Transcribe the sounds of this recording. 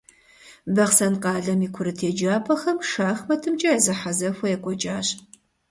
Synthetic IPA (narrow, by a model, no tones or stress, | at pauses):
bɐχsɐnqɑːɮɐmiːkʷʰʊɾɨtʰeːd͡ʒaːpʰɐxɐmʂaːxmɐtʰɨmt͡ʃʼɐjɐzɐħazɐxʷɔjɛkʷʼɔt͡ʃʼaːɕʼ